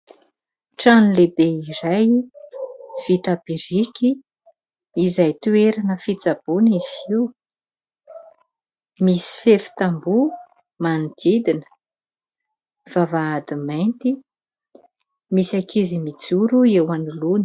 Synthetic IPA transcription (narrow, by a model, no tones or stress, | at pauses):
ʈ͡ʂanilebeiɾaj | v̥it̪ab̥iɾikʲiː | zajt̪ueɾanəfit͡sab̥uniziw | misi̥fefi̥t̪ambu | manid̪̥id̪inə̥ | v̥avaːd̪imajnt̪i | misakʰizimit͡suɾuewanuluni̥